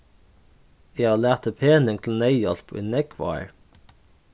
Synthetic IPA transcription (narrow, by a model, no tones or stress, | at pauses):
jæɪɑːlæːʁt̪ʰəpʰeːnɪŋt̪ʰl̩næɪjɑ̰lpʰʔḭːnɛkʰʋɑ̰ə̰ɹ